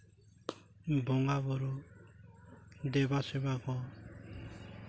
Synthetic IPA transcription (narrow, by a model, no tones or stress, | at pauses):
bɔŋaβɔɾu | d̪ɛbasɛbakɔ